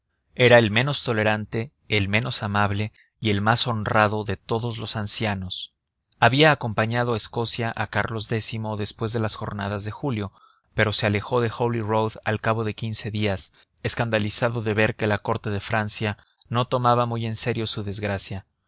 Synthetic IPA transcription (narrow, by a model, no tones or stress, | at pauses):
e̞ɾae̞lmẽ̞no̞st̪o̞le̞ɾant̪e̞ː | lmẽ̞no̞samaβle̞ | ie̞lmaso̞nraðo̞ðe̞t̪o̞ðo̞zlo̞sansjano̞s | aβiaːko̞mpaɲað̞oe̞sko̞sjaʔakaɾlo̞zðe̞simo̞ðe̞spwe̞zðelasxo̞̰ɾnað̞azðe̞xuljo̞ | pe̞ɾo̞se̞ale̞xo̞ðe̞xolirowða̰lkaβ̞o̞ðe̞kinse̞ðias | eskand̪alisaðo̞ðe̞βe̞ɾke̞lako̞ɾt̪e̞ðe̞fɾansja | no̞t̪o̞maβamuje̞nse̞ɾjo̞suðe̞zɣɾasja